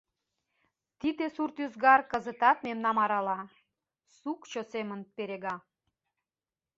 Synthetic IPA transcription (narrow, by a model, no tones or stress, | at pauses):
t̪id̪esurt̪yzɡɑrkəzət̪ɑt̪memnɑmɑɾɑlɑ | sukt͡ɕosemənpeɾeɣɑ